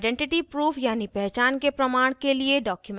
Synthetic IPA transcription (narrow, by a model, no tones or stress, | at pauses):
ɖɛ̃ɳʈɪʈipɾuːfʰjaːnipɛɦt͡ʃaːnkepɾɐmaːɽ̃kelieɖaːkjʊm